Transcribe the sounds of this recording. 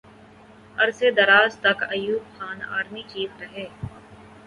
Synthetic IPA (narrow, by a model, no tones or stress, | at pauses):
ɐɾsed̪ɐɾaːzt̪ɐkɐjuːbxaːna̰ːɾmit͡ʃiːt̪ɾɐɦeː